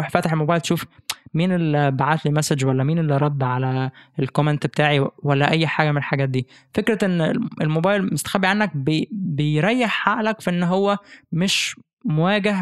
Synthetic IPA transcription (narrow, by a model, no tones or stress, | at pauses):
uħfæt̪eħelmobæːjlt̪ʃuːfmiːnelbaʕaːt̪limæsæd͡ʒwælːæmiːnelːiɾˤɑd̪ˤːʕalæelkoment̪bet̪aːʕiwælːæʔæjːħaːɡæmenelħaɡæːt̪̚d̪iː | fekɾɑʔenːʔelmobæːjlmost̪æ̥xæbːiʕanːæk̚bebejɾˤɑjːeħːaʔlækfiʔenːɦowːæmeʃ | mowæːɡæɦ